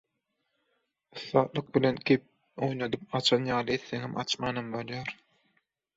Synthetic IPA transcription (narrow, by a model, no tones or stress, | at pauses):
ɯθːɑːt̪lˠɯq̚bilenkʰʲep̚ | o̞jnod̪ɯp̚ɑt͡ʃʰɑnjɑːlˠɯet̪ːeŋemʔɑ̰t͡ʃmɑːnɑmbolˠjɑːɾ